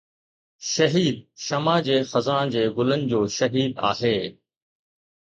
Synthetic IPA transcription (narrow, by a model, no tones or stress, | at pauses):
ʃɐɦiːd̪̚ʃɐmãːd͡ʑeːxɐzãːɽ̃d͡ʑeːɡʊlənɪ̆d͡ʑoːʃɐɦiːd̪a̰ːɦeː